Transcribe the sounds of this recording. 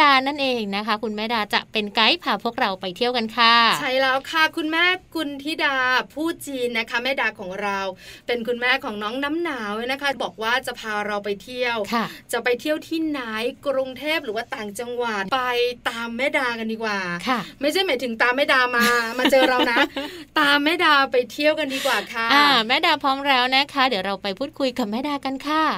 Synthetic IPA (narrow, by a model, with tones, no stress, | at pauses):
aː˧na˥˩nʔeː˧ŋna˦˥kʰa˦˥kʰu˧nmɛː˥˩daː˧t͡ɕa˨˩ʔpe˧nka˦˥jpʰaː˧pʰu˥˩ək̚ɾa˧wpa˧jt̪ʰi˥˩əwka˧nkʰa˧˥˩t͡ɕʰa˥˩jlɛː˦˥wkʰa˥˩kʰu˧nmɛː˥˩kʰu˧nt̪ʰi˦˥daː˧pʰuː˥˩t͡ɕiː˧nːa˦˥kʰa˦˥mɛː˥˩daː˧kʰɔː˩˦ŋɾa˧wpe˧nkʰu˧nmɛː˥˩kʰɔː˩˦ŋnɔː˦˥ŋna˦˥mnaː˩˦wljna˦˥kʰa˦˥bɔː˨˩k̚waː˥˩t͡ɕa˨˩ʔpʰaː˧ɾa˧wpa˧jt̪ʰi˥˩əwkʰa˥˩t͡ɕa˨˩pa˧jt̪ʰi˥˩əwt̪ʰiː˥˩naː˦˥jkɾu˧ŋt̪ʰeː˥˩p̚ɾɯː˩˦waː˥˩t̪aː˨˩ŋt͡ɕa˧ŋwa˨˩t̪̚pa˧jt̪aː˧mːɛː˥˩daː˧ka˧ndiː˧kwaː˨˩kʰa˥˩ma˥˩jt͡ɕʰa˥˩jmaː˨˩˦jt̪ʰɯ˩˦ŋt̪aː˧mːɛː˥˩daː˧maː˧maː˧t͡ɕɤː˧ɾa˧wna˦˥ʔt̪aː˧mːɛː˥˩daː˧pa˧jt̪ʰi˥˩əwka˧ndiː˧kwaː˨˩kʰa˥˩ʔaː˧mɛː˥˩daː˧pʰɔː˦˥mɾɛː˦˥wna˦˥kʰa˦˥dɯ˩˦wɾa˧wpa˧jpʰuː˥˩t̪̚kʰu˧jka˨˩p̚mɛː˥˩daː˧ka˧nkʰa˥˩